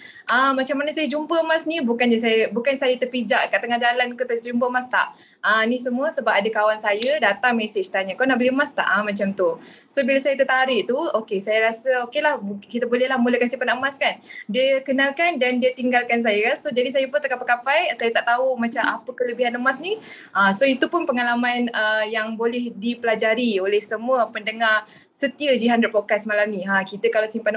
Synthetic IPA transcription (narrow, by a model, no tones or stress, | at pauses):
ʔəmat͡ʃamːanəsajəd͡ʒumpəəmasnibukanɲəs̬ajəbukansajət̪ərpid͡ʒaʔkaʔt̪ːəŋahd͡ʒalankot̪asd͡ʒumpəmast̪a̰ʔ | ənĩsəmuəsəbap̚adəkawansajədat̪aŋmesɪt͡ʃt̪aɲakanaʔbəliəmast̪a̰ʔəmat͡ʃamt̪u | sobilasajət̪ət̪aɾɪʔt̪uokesajəɾasəokelahkit̪əbolɛɦlahmuləkansipanaəmaskandiəkənalkandandiət̪iŋɡalkans̬ajəsod͡ʒadis̬ajəpʊnt̪əkapakapajsajət̪aʔt̪aumãt͡ʃamapəkələbiɦanəmasni | ʔəsoit̪upʊnpəŋalamãnəjaŋbolɛhdipəlad͡ʒaɾiolɛhsəmuəpəndəŋar | sət̪iəd͡ʒiɦandapokat̪smalamnĩɦakit̪əkalawsimpan